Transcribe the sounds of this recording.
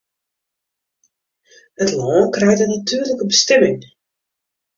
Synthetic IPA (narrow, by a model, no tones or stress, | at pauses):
ətlɔːnkrɛjtənatʰyːrləkəbəstɛmɪŋ